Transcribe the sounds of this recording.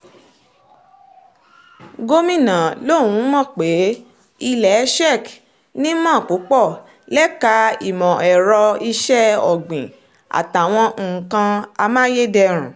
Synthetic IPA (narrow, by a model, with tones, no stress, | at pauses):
ɡo˦mĩ˦˨nã˨lo˦˨wũ˨˦mɔ̃˦˨k͡pe˨˦ | i˧lɛ˨˦ʃɛ˦˨k | nĩ˦mɔ̃ː˦˨ku˨˦k͡pɔ˦˨ | lɛ˦ka˨˦ḭ˨mɔ̃˨ɛ˨ɾɔ˧i˧ʃɛ˦ɔ˨ɡ͡bĩ˨ | a̰˨ta˨w̃ɔ̃˧˨kã˧a˧mãː˦je˦dɛ˧ɾ̃ũ˨